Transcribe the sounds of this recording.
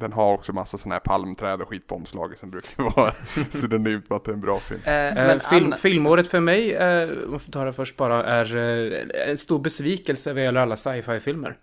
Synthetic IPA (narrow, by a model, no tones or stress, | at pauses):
d̪ɛnɦaɾɔksɔmasːasɔnahæːɾpʰalmt̪ʰɾɛːd̪əɾɧiːt̪̚pʰɔɔmslɑ̰ːɡəsɔmbɾʉːkʰaɾvɑːsɔd̪ɛnæmt̪mat̪̚d̪ɛæɾɛnbɾɑːfɪ̰lmɪlfɪlmoːɾət̪fœɾmɛjɔ̰mft̪ʰɑːlafœʂʈ̚bɑːɾaʔæɾ̰ | ɛ̰nst̪uːɾbɛsviːkɛlsəvɪɛlːəɾalːasajfajfɪlmə̰ɾ